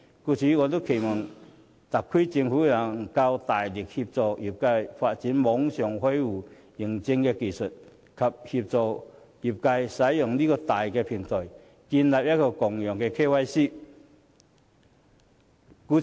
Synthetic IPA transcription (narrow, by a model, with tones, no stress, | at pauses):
ku˧t͡ɕʰi˧˦ŋɔ˧t̪̬u˦˥kʰe˨˩mɔ˨˩ŋ | t̪a˨˩kʰːi˦t͡ɕi˧ŋhu˧˦˧la˨˧˩ŋka˧wt̪aː˨˩jli˨˩k̚hi˧p̚t͡sɔ˧ʔi˨˩p̚ka˧jfa˧˨t̚t͡ɕi˨˦nmɔ˨˦ŋɕjɔ˨˩ŋhwe˦ju˨˩ | i˨˩ŋt͡ɕi˧ŋke˧ki˨su˨˩t̚ | kʰa˨p̚hi˧p̚t͡sɔ˧˩ | i˨˩p̚ka˧jsa˨˦jjɔ˨˩ŋli˦˥kɔ˧t̪a˨˩jke˧pʰi˨˩ŋt͡sɔ˨˩j | ki˧nla˨˩p̚ja˦˥kɔ˧˩kɔ˨˩ŋjɔ˨˩ŋke˧kʰe˥˧wa˧jɕi˥˨ | ku˧